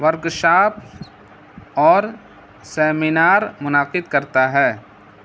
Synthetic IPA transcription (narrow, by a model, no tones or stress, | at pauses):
ʋɐɾɡʃaːpʰ | ɔːɾ | sɛːmɪnaːɾmʊnaːqɪd̪kɐɾt̪aɦɛː